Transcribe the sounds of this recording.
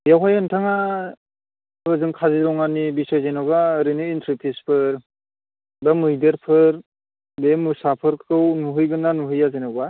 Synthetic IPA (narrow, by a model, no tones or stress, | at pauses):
jawɦajɯntʰaŋa | bɯzɯŋkʰaziɾɔŋanibisɔjzenaβaɾɯnɯintʰɾipʰispʰɯɾ | bamɯjdɯɾpʰɯɾ | bemɯsapʰɯɾkʰɯwnuɦɯjɡɯnːanuɦɯjazenaba